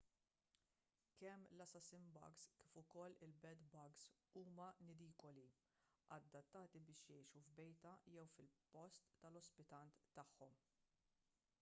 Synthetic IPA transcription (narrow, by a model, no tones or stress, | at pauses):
kɛmːlɐsɐsɪmbɐ̰ɡskiːfʊkɔlːɪlbɛd̪bɐɡs | uːmɐnɪd̪iːkɔli | ɐd̪ːɐt̪ːɐːt̪ibɪːʃjɛjʃuvbɛjt̪ɐjɛwfɪlpɔst̪ːɐlɔspɪt̪ɐnt̪ːɐħːɔm